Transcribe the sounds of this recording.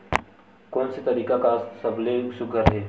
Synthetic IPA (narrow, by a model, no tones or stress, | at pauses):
koːnset̪əɾiːkakasəblesʊɡʱəɾɦeː